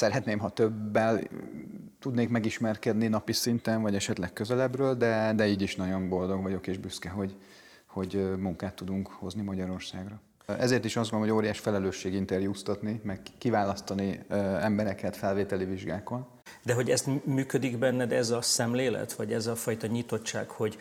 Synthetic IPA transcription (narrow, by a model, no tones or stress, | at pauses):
sɛɾɛt̪neːmɦɒt̪øbːɛl | t̪ud̪neːkmɛɡiʃmɛrkɛd̪ninɒpisint̪ɛnvɒɟɛʃɛt̪lɛkkøzɛlɛbrøːld̪ɛd̪ɛiːɟiʃnɒɟo̞mbo̞ld̪o̞ɡvɒɟo̞keːʒbyskɛɦo̞ɟ | ho̞ɟmuŋkaːt̪ːud̪uŋkho̞znimɒɟɒɾo̞rsaːɡrɒ | ɛzeːrt̪iʃɒzɡonlomoɟoːɾijaːʃfɛlɛløːʃːeːɡint̪ɛrjuːst̪ɒt̪nimɛkːivaːlɒst̪ɒniɛmbɛɾɛkɛt̪fɛlveːt̪ɛliviʒɡaːko̞n | d̪ɛɦo̞ɟɛst̪myːkød̪iɡbɛnːɛd̪ɛzɒsɛmleːlɛ̰t̪ʋɒɟɛzɒfɒjt̪ɒɲit̪o̞t͡ʃt͡ʃːa̰ːkho̞ɟ